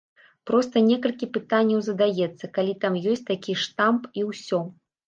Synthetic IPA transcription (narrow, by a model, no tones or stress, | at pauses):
pɾɔst̪ɐnʲɛkɐlʲkʲipɨt̪anʲːɐwzɐd̪ajɛt̪sːɐkalʲit̪amjɔsʲt͡sʲt̪akʲiʂt̪ampiwsʲɔ